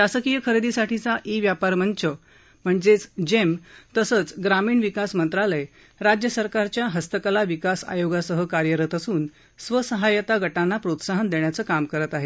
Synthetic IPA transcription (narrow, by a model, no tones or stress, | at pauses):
ɕasəkijəkʰəɾed̪isaʈʰit͡saʔiʋjapaɾməɳt͡ɕə | m̤əɳd͡zet͡sd͡ʑemt̪əsəːt͡sɡɾamiːɳʋikasmənt̪ɾaləj | ɾad͡ʑjəsəɾkaɾt͡ɕjaɦəst̪əkalaʋikasa̰joɡasəɦəkaɾjəɾət̪əsuːn | sʋəsəɦajət̪aɡəʈanːapɾot̪saɦənd̪eɳjat͡səːkamkəɾət̪aɦe